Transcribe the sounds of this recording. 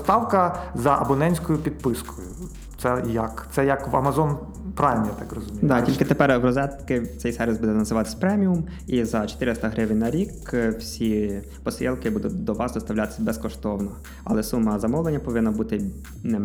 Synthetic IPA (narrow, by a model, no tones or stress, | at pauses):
st̪ɑwkɐzɐʔɐ̰bɔnɛnʲsʲkɔjʊpʲid̪̚pɪskʰɔjʊ | t̪sɛjɐkt̪sɛjɐkʋɐ̰mɐzɔn | pɾɑʋʲmʲjat̪ɑkrɔzʊmʲijd̪ɑtʲilʲkɪt̪epɛrʋrɔzɛt̪kɪt̪ɛjsɛɾʋʲɪzbud̪ɛnɐzɪʋɑt̪ɪ̥sʲɐ̥pɾɛmʲiʊm | izɐt͡ʃɔ̥t̪ɪɾɪst̪ɐɦɾɪʋenʲnɐɾʲikwsʲi | pɔsʲɛlˠkɪbud̪ʊt̪̚ʲd̪ɔʋɑsd̪ɔst̪ɐʋwlʲat̪ɪ̥sʲɐbɛskɔʃt̪ɔwnɔ | ɐ̰lˠɛsumːɐzɐmɔlˠenʲːɐpɔʋɪnːɐbut̪ɪ | nɛ